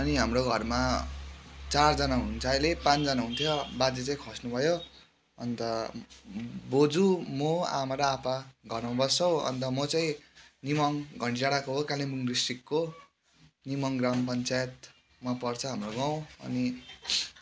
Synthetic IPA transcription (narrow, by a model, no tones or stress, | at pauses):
ʌniɦamroɡʱʌrma | t͡sard͡zʌnaɦunt͡sajlepãnd͡zʌnaɦunt̪ʰjobad͡zet͡saĩkʰʌsnubʱʌjo | ʌ̰nt̪ʌ | bod͡zumoa̰maɾʌapaɡʱʌrmabʌst͡sʌw̃ʌ̰nt̪ʌmʌt͡saĩnimʌŋɡʱʌɳʈisaɽakoɦokalibuŋɡrisʈikːo | nimʌŋɡrampʌnt͡sajet̪̚ | mapʌrt͡sʰʌɦamroɡaw̃ʌ̰ni